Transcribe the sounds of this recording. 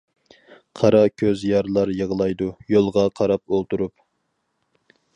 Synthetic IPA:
qʰɑɾɑkʲʰøzjɑɾlˠɑɾjəʁlˠɑjd̪ujolˠʁɑqʰɑɾɑpolˠt̪uɾup̚

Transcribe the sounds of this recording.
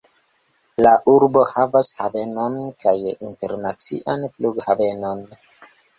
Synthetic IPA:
laʔuɾbo̞havashave̞no̞nkajinte̞ɾnat͡sḭʔanpluɡhave̞no̞n

